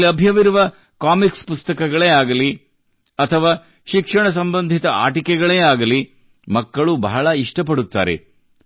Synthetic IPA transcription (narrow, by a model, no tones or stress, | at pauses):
iɐbʱjɐʋiɾuʋɐ | kaːmikspust̪ɐkɐɡɐɭeːaːɡɐli | ɐt̪ʰɐʋaː | ʃikʂɐɳɐs̬ɐmbɐnd̪ʱit̪ɐa̰ːʈikɛɡɐɭeːaːɡɐli | mɐkːɐɭubɐɦɐɭɐiʂʈɐpɐɽut̪ːa̰ːɾḛ